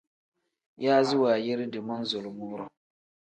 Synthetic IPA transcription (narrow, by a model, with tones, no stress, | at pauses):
jaː˦zɪ˦waː˨jɛ˦ɾɪ˦dɨ˨ma˦n˦zo˨lʊ˨mʊː˦ɾʊ˨